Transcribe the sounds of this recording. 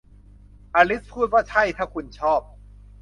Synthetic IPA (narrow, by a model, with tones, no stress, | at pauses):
ʔaː˧li˦˥pʰuː˥˩t̪̚waː˥˩t͡ɕʰa˥˩jt̪ʰaː˥˩kʰu˧nt͡ɕʰɔː˥˩p̚